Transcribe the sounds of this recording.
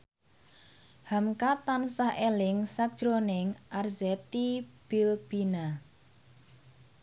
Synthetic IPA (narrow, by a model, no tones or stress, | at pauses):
hamkat̪ansahʔelɪŋsak̚d̥ʒ̥ɾonɪŋʔarzɛt̪ib̥ilb̥ina